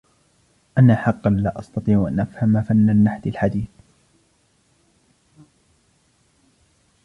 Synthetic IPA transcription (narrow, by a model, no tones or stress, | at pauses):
ʔanaħɑqːɑnlaːʔɑst̪ɑt̪ˤiːʕʔa̰nʔafhamafanːanːaħd̪ɪlħad̪iːθ